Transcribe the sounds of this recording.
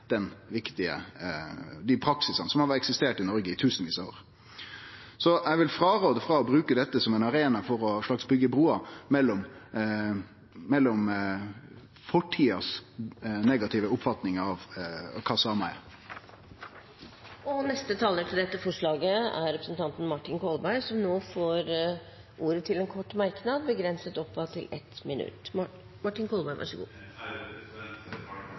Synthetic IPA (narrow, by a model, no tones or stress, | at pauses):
d̪̥ɛnʋɪkt̪ɪə̰ | d̪ɪpʰɾɑksɪsɑnəsɔmhɑɾɛksɪst̪eːʈɪnɔɾɡəɪt̪ʰʉːsənʋiːso̰ːɾ | sɔʔæɪʋɪlfɾɑːɾoːd̪əfɾɑɔbɾʉːkəd̪ɛt̪ːəsɔmɛɪnɑɾeːnɑfɔɾɔʂɭɑksbʏɡːəbɾuːɑmɛlːɔm | mɛlːɔm | fɔʈʰːiːɑs | neːɡɑt̪ʰɪʋəʊpfɑt̪nɪŋɑʋkʰɑsɑmɑæɪ | ɔnɛst̪ət̪ʰɑːləʈʰɪld̪ɛt̪ːəfɔʂɭɑːɡəæ̰ɾɾɛpɾəsən̩t̪ʰɑnt̪n̩mɑʈːɪnkʰɔlbæɪsɔmnoːfoːɾ | ʔuːɾət̪ʰɪlɛnkʰɔʈːmæɾknɑd̪̚bəɡɾɛnsət̪ɔpːɑt̪ʰɪlɛt̪mɪnʉ̰t̪ː | mɑʈːɪnkʰɔlˠbæɪʋæ̰ʂəɡṵː